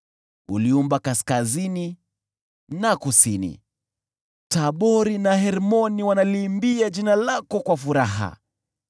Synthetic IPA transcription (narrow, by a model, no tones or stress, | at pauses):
uliumbakaskazini | nakusinḭ | taɓɔɾinahɛɾmɔniwanaliːmbiad͡ʒinalakɔkwafuɾaɦa̰